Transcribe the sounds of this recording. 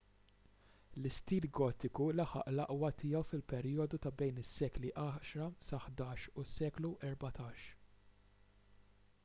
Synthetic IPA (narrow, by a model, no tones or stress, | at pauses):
lɪst̪iːlɡɔːt̪ːɪkulɐħɐ̰ʔlɐʔwɐt̪ʰɪjɛwfɪlpɛɾijɔd̪ut̪ɐbɛjnɪsːɛːkliʔɐːʃɾɐsɐħd̪ɐːʃusːɛːkluʔɛɾbɐt̪ɐːʃ